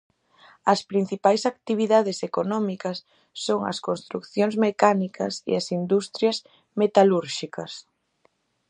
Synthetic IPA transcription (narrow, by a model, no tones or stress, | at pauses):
ɐspɾin̟θipajsak̚t̪iβ̞iðaðesekonɔmikɐsː | oŋɐ̰skonst̪ɾukθjoŋzmekanikʰɐsḛɐsind̪ust̪ɾjas | met̪aluɾʃikɐs